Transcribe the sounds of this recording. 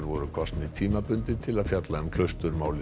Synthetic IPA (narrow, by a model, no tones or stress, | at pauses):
ɾvɔɾʏkʰɔst̪nɪt̪ʰiːmapʏnt̪ɪt̪ʰɪlaðfjat̪laɛmkʰl̥œɥst̪ʏɾmaːwlɪ